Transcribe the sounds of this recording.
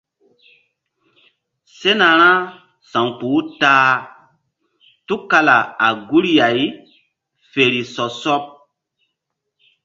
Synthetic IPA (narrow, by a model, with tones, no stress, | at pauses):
se˦na˨ɾ̃ã˦ | sã˨ŋku˨˦taː˦ | tu˦kːa˦la˨a˨ɡu˦ɾja˨j | fe˨ɾi˨sɔ˨sɔ˦p̚